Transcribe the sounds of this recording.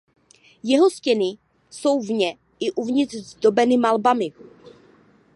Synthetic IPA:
jɛɦo̞scɛnɪ | so̞wvɲɛ | ɪʔuvɲɪr̥zd̪o̞bɛnɪmalbamɪ

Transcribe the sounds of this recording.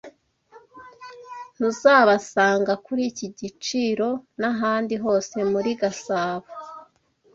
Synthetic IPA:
n̥uzaːβasaːŋɡakuɾiciɟit͡ʃiːɾo̞naɦaːndiɦo̞ːse̞muɾiɡasaːβo

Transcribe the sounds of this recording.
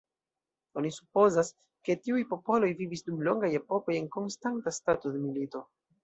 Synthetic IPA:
o̞nisu̥po̞zas | ke̞tiujpo̞po̞lo̞jvivisdumlo̞ŋɡaje̞po̞ko̞je̞nko̞nstantastato̞demilito̞

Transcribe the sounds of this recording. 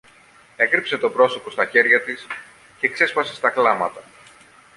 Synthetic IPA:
e̞kɾipse̞t̪o̞pɾo̞so̞po̞st̪ɐçe̞ɾʝɐt̪is | ce̞ːkse̞spɐse̞st̪ɐklɐmɐt̪ɐ

